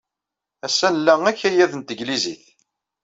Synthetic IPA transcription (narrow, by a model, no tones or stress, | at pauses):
æsːænəlːæŋæçːæjæðənt̪əʝliziθ